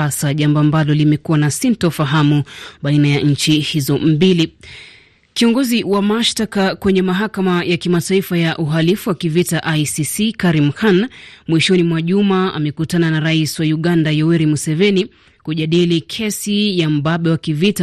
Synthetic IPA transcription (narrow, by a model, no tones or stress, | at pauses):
asaʄambɔambalɔlimɛkuwanasintɔfaɦamuɓainajaɲ̩t͡ʃihizɔm̩bili | kiɔŋɡɔziwamaʃtakakwɛɲɛmaɦakamajakimataifajaʔuɦalifuwakivitaʔajsisikaɾimhanmwiʃɔnimwaʄumaʔa̰mɛkutananaɾaiswajuɠandajɔwɛɾimusɛvɛni | kuʄaɗilikʰɛsijam̩baɓɛwakivita